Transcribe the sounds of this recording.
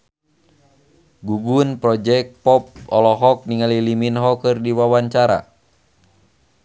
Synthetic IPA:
ɡuɡunpɾɔd͡ʒɛk̚pɔp̚ɔ̰lɔɦɔk̚niŋaliliminɦɔkɨrdiwawaɲt͡ʃaɾa̰

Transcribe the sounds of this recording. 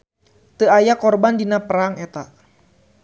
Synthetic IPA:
t̪əajakɔrbandinapəɾaŋɛt̪aʔ

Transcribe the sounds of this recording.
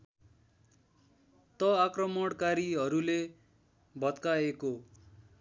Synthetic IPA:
t̪ʌakrʌmʌɽkaɾiɦʌɾule | bʱʌt̪kaeko

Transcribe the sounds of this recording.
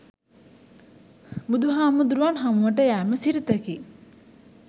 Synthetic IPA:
mud̪uɦaːmud̪uɾuʋanɦamuʋəʈəjæːməsiɾit̪əki

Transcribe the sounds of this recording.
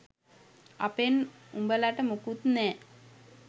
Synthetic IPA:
apenumbəlaʈəmukut̪nɛː

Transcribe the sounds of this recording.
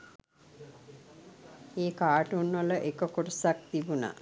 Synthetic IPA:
eːkaːʈunʋələʔekəkoɾəsak̚t̪ibuna̰

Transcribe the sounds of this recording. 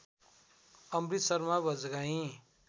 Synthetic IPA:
ʌmrit̪sʌɾmabʌd͡zɡaɦĩ

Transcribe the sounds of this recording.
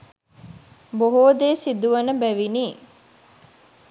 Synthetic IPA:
boɦoːd̪eːsid̪uʋɐnəbæʋiniː

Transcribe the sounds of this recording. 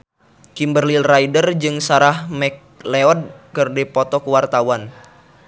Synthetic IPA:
kimbərlilraidərd͡ʒɨŋsaɾahmɛk̚leɔd̚kɨrdɛpɔt̪ɔkuwart̪awan

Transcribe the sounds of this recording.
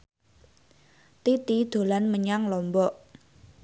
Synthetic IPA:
t̪it̪id̪̥o̤lanməɲaŋlɔmbɔʔ

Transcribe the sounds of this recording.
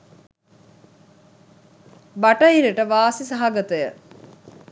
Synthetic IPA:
baʈəɦiɾəʈəʋaːsisaɦaɡət̪əjə

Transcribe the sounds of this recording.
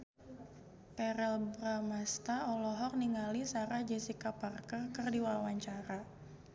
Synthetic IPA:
pɛɾɛlbɾamast̪aɔlɔɦɔrniŋalisaɾahd͡ʒɛsikaparkərkərdiwawaɲt͡ʃaɾa

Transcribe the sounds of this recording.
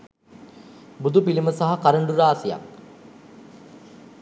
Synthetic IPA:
bud̪upiliməsaɦakaɾəɳɖuɾaːsija̰k

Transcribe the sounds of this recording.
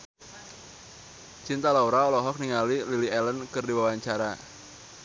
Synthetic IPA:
t͡ʃint̪alauɾaɔlɔɦɔk̚niŋalililiɛlənkərdiwawaɲt͡ʃaɾa

